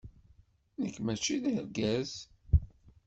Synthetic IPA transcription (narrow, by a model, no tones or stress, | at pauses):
nəkːmæt͡ʃːiðəɾɡæz